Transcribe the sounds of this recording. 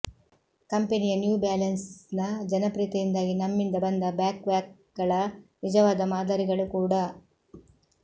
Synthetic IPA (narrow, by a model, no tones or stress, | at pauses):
kɐmpenijɐnjuːbaːlɐnsnɐd͡ʒɐnɐpɾiːt̪ɐjind̪aːɡinɐmːind̪ɐbɐnd̪ɐbjaːkʋaːk | ɡɐɭɐnid͡ʒɐʋaːd̪ɐmaːd̪ɐɾiɡɐɭukuːɽɐ